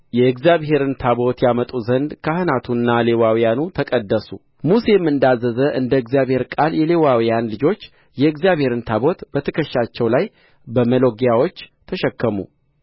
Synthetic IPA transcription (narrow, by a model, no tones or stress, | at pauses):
jɛɨɡzijaβhe̞ɾɨnt̪ʰabo̞t̪jamət̪ʼuzənd̪kʰahɨnat̪ʰunːale̞wawijanut̪ʰəkʼəd̪ːəsu | muse̞mːɨnd̪azːəzəʔɨnd̪əɨɡzijaβhe̞ɾkʼaljɛle̞wawijanlɨd͡ʒo̞t͡ʃː | jɛɨɡzijaβhe̞ɾɨnt̪ʰabo̞t̪bət̪ʰəkʰəʃːat͡ʃːɛwlaj | bəməlo̞ɡjawo̞t͡ʃːt̪ʰəʃɛkːəmṵ